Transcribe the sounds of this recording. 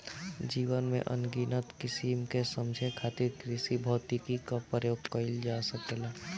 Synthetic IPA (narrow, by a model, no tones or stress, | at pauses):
d͡ʒiːwənmḛ̃ʔə̰nɡiːnət̪kɪsimkesə̃md͡ʒʱekʰaːt̪ɪɾkɾɪsibʱɔːt̪ikikapɾəjoːɡ̚kəɪld͡ʒasəkelaː